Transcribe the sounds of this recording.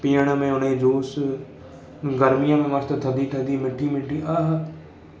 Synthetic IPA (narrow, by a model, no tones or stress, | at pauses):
piːəɳamẽːʊnẽd͡ʒoːs | ɡəɾmɪjãːmẽːmaɾt̪at̪ʰəd̪iːʈʰəd̪iːmɪʈʰːiːmɪʈːiːaɦ